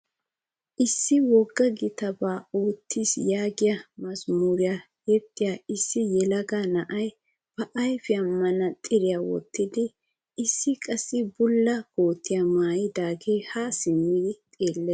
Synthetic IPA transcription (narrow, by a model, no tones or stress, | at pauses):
ʔɪsːɪwɔɡːɐɡɪt̪ɐbaːoːt̪ʰːiːsjaːɡɪjɐmɐsmuːɾɪja | jɛt̪ːɪjaɪsːɪjɛlɐɡaːnɐʔɐj | b̥ɐʔɐjfɪɐmːɐnɐt̪ʼɪɾɪjawɔ̰t̪ːɪd̪ɪ | ɪsːɪkʼɐsːɪbʊlːɐhoːt̪ːɪjɐmaːjɪd̪aːɡeːhasɪmːɪɡɪt̪ʼeːlːe